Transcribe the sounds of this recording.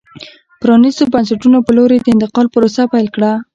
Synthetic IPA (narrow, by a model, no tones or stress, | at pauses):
pɾɑnizobansaʈunopəloɾed̪əɪnt̪ɪqɑlpəɾosapajlkɽa